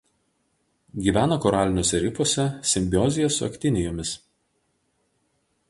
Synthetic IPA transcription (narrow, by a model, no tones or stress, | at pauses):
ɡʲiːʋʲæːnɐkɔɾɑːlʲɪnʲoːsʲɛɾʲɪfoɔsʲɛsʲɪmʲbʲɪɔːzʲɪjɛsʊɐ̰kʲt̪ʲɪnʲɪjoːmʲɪs